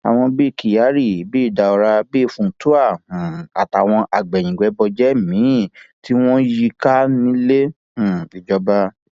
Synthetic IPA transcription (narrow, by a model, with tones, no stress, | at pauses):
a̰˨w̃ɔ̃˧bi˦˨ki˨ja˨˦ɾi˦˨bi˦i˦˨da˧ɔ˧ɾa˧bi˦˨fũ˧n̩˦tu˦ã˦˨a˨ta˨w̃ɔ̃˧ʔa˨ɡ͡bɛ˨j̃ĩ˨ɡ͡bɛ˨˦bɔ˧d͡ʒɛ˦mĩ˨˦˨ti˦w̃ɔ̃˦ji˧ka˦nĩ˦lẽ˦˨ | i˨d͡ʒɔ˨˦ba˦